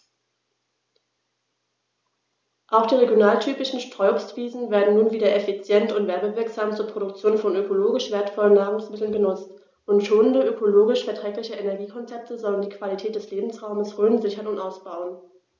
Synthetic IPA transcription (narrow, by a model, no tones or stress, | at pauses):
ʔaʊxd̥iːʁeɡjonaːltʰyːpɪʃn̩ʃtʁ̥ɔʏʊstv̥iːzn̩veːɐdn̩nuːnviːdɐʔɛfit͡sjɛntʊntv̥ɛɐbəvɪɐkz̥aːmt͡suːɐpʁ̥oɾʊk̚t͡sjoːnfɔnøkoloːɡɪʃv̥eːɐtfɔlənːaːʁʊŋsmɪtl̩nɡənʊt͡st | ʔʊntʃoːnəndəøkʰoloːɡɪʃfɛɐtʁ̥ɛːklɪçəʔenɛɐɡiːkʰɔnt͡sɛp̚təzɔləndiːkv̥alitʰɛːt̚d̥ɛsleːbm̩sʁaʊməsʁøːnzɪçɐnʊntʔaʊsb̥aʊən